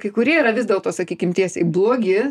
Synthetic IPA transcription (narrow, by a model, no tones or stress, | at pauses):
kɐɪkʊɾʲiɛiɾɐʋʲɪzd̪ʲɛːlˠt̪oːsɐkʲiːkʲɪmt̪ʲiɛsʲɛɪblˠoːɡʲɪ